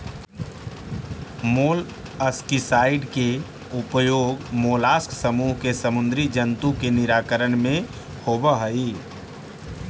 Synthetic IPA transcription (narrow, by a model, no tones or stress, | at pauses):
moːl | əskisaːɪɖke | ʊpjoːɡmoːlaːsksəmuːɦkesəmʊnd̪ɾid͡ʒənt̪ũkenɪɾaːkəɾənmẽ | hoːbəɦəi